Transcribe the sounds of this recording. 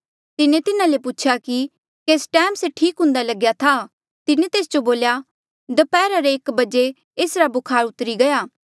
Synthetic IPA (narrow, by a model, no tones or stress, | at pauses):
t̪ɪnẽt̪ɪnãleput͡ʃʰaki | keːsʈɛːmseʈʰiːkɦʊ̃nd̪alɐɡjat̪ʰa | t̪ɪnẽt̪eːsd͡ʒoboːlja | d̪ɐpɛːɾaɾeːkbɐd͡ʒe | eːsɾabʊkʰaːɾʊt̪ɾiɡɐjaː